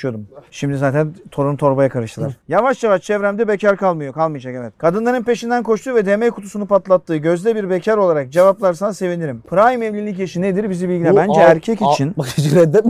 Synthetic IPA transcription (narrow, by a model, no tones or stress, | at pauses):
jo̞ɾumʃimd̪izaːt̪ʰænt̪ʰo̞ɾumt̪ʰo̞ɾbajakʰaɾɯʃt̪ʰɯlˠaɾjavaʃjavaʃt͡ʃʰɛvɾæmd̪ɛbecʰaɾkʰalˠmɯjo̞kʰalˠmɯjad͡ʒakevɛt̪kʰad̪ɯnlˠaɾɯnpe̞ʃind̪ænkʰo̞ʃt̪ʰuːvɛd̪emɛjkʰu̥t̪ʰusunupat̪lˠat̪ːɯːɟø̞zd̪ɛbiɾbecʰaɾo̞lˠaɾak̚d͡ʒe̞vaplˠaɾsanase̞viniɾimpʰɯɾaːjimɛvlʲilʲːic̬jaʃɯned̪iɾbizibilʲɟilʲɛbænd͡ʒɛæɾcʰɛcit͡ʃʰind͡ʒɾɛd̪ːɛt̪